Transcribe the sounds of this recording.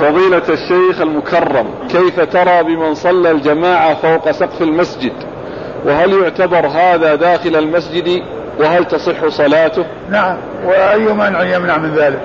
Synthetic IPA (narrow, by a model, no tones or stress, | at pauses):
fɑðˤiːlaaʃːajxalmʊkʰɑrˤːɑm | kajfat̪ɑɾˤɑːbɪmɪnsˤɑlːald͡ʒamaːʕafawqɑsɑqfalmasd͡ʒɪd̪ | wɪɦaljʊʕt̪abɑɾˤɦaːðad̪aːxɪlalmasd͡ʒɪd̪ | wɪɦalt̪ɑsˤɨħːʊsˤɑlaːt̪ʊh | naʕam | wɪʔajːʊmaːnʕjɪmnaʕmɪnðaːlɪk